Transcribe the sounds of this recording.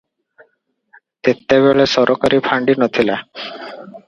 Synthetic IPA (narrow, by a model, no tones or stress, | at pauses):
t̪et̪ːeʋeɭesɔɾʔokaɾiːpʰaɳɖinɔt̪ʰila